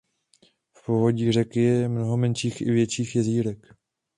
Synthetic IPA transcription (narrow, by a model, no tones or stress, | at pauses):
fpovo̞ɟiːr̝ɛkɪjɛmnoɦomɛnʃiːxɪ̰vjɛʃiːxjɛziːɾɛk